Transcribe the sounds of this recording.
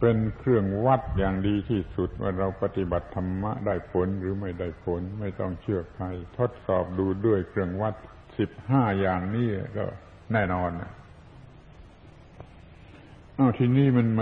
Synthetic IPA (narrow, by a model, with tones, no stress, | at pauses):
pe˧nkʰɾɯ˥˩əŋwa˦˥˩t̪̚jaː˨˩ŋdiː˧t̪ʰiː˥˩su˨˩t̪̚wʔa̰ː˧˩ɾa˧wpa˧t̪i˨˩ba˨˩t̪ʰːa˧mːa̰˦˥ʔdaː˥˩jpʰo˨˩˦nɾɯː˩˦ma˥˩jdaː˥˩jpʰo˨˦nma˥˩jt̪ɔ˥˩ŋt͡ɕʰɯ˥˩əpʰa˧jt̪ʰo˦˥˩t̪̚sɔː˨˩p̚duː˧du˥˩əjkʰɾɯ˥˩əŋwa˦˥˩t̪̚ | si˨˩p̚haː˥˩jaː˨˩ŋniː˥˩la˧˩kɔ̰˧˥˩ | nɛː˥˩nɔː˧nːa˧˩ | ʔa˧˩wt̪ʰiː˧niː˥˩ma˧nm